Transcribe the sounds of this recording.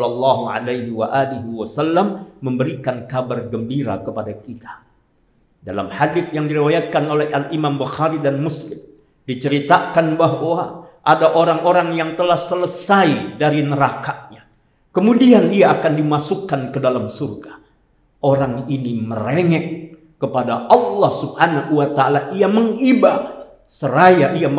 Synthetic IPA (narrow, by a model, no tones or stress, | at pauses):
lalːɑɦuʕa̰lajɦiwa̰ʔaliɦiwasalːamːəmbəɾikankabarɡəmbiɾa̰kəpadakit̪ḁ | dala̰mħadɪθjaŋdiɾiwajat̪̚kanolɛɦalimambuxaɾidanmuslɪm | dit͡ʃəɾit̪akanbaɦwaʔadaʔoɾaŋoɾaŋjaŋt̪əlahsələsaidaɾinəɾakaʔɲa | kəmudiandiaːkandimasukːankədalamsurɡa | ʔoɾaŋinimə̰reŋɛʔ | kəpadaʔɑlːɑhsub̥hanahuwat̪aːlaʔiaməŋiba | səɾajaʔiam